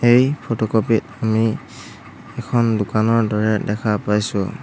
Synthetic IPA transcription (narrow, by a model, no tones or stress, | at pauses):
ejpʰotɔkopitami | ɛkʰɔndʊkanɔɹdɔɹɛdɛkʰapajsʊ